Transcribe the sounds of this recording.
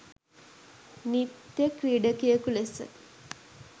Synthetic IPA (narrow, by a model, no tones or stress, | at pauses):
nit̪jəkriːɖəkijəkulesə̰